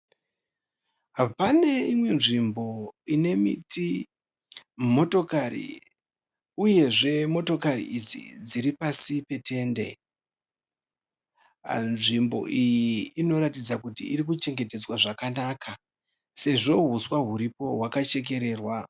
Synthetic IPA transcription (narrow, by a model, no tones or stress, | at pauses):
ɦapane̞imwe̞nʐimbo̞ine̞mḭtʰi | mo̞to̞karḭ | uje̞ʐe̞mo̞to̞karḭʔid͡zḭd͡ziɾipasipe̞tʰe̞nde̞̰ | nʐimbo̞̰ʔijiːno̞ɾatid͡zakutḭiɾik̬ut͡ʃe̞ŋɡe̞te̞d͡zwaʐakanaːkʰa | se̞ʐo̞ɦuswaɦuɾipo̞ɦwakat͡ʃe̞k̬e̞ɾe̞ːrwa